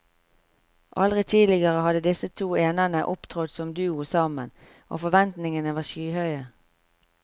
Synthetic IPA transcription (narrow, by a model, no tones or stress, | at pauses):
ʔɑlʁɪt̪ʰiːlɪɡəʁəhɑd̪əd̪ɪsət̪ʰuːeːnənəʔʊpt̪ʰʁɔd̪sɔmd̪ʉːʊsɑːmən | ʔo̰ːfɔʋɛnt̪nɪŋənəʋɑːʃyːhœʏə